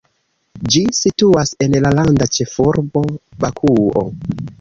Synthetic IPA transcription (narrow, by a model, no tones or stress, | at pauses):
d͡ʒisituase̞nlalandat͡ʃe̞fuɾbo̞bakʰuo̰